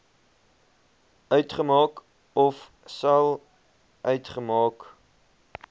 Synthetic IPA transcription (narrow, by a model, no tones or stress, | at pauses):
œɥtχəmɑːk | ɔf | sɐlˠ | ʔœɥtχəmɑːk